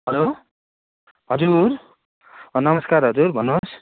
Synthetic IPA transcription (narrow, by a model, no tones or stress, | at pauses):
ɦʌlo | ɦʌd͡zuɾ | nʌmʌskaɾɦʌd͡zurbʱʌnos